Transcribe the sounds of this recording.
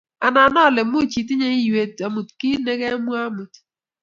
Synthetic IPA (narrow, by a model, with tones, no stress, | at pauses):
a˨na˨nɔ˦˨lɪ˨m˦ʊ˦˨t͡ʃi˨ti˦ɲe˦i˦je˨˦ta˨mu˨tki˦ne˦ɣe˦mʷ˦a˦mu˨t